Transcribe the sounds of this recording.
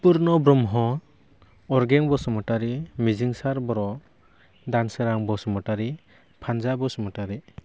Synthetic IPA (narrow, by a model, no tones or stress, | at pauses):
puɾnɔbɾɔmɦɔ | ɔɾɡeŋbɔsɔmɔtaɾimiziŋsaɾbɔɾɔ | danseɾaŋbɔsɔmɔtaɾi | pʰand͡ʒabɔsɔmɔtaɾi